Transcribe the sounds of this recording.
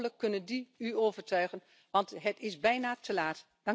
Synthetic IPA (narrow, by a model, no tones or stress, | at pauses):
ələkːɵnəndiyoːvərtœɥχən | ʋɑntɦətɪsbɛjnaːtʰəlaːt | d̥ɑ